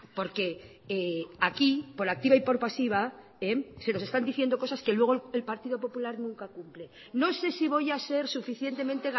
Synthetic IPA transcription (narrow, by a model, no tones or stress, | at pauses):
po̞ɾke̞ | eakipo̞ɾak̚t̪iβaipo̞ɾpasiβ̞a | ese̞nose̞st̪and̪iθje̞nd̪o̞ko̞saske̞lwe̞ɣ̞oelpaɾt̪iðo̞p̬o̞pulaɾnũŋkakumple | no̞se̞siβ̞o̞jase̞ɾsufiθje̞nt̪e̞mẽnt̪e̞ɣ